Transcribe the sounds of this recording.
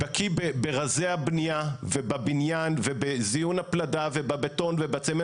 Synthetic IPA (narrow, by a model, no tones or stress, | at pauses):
b̥akʰibebeʁazeabniavebabinjanvebezijunhapladave̞babeto̞nvebat͡seme